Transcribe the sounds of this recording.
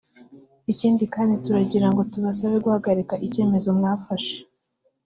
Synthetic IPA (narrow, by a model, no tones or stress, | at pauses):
iciːndikaːndituɾaɟiɾaŋɡo̞tuβasaβeɾɡwhaɡaɾekaʔice̞ːme̞zo̞mŋaːfaʃe̥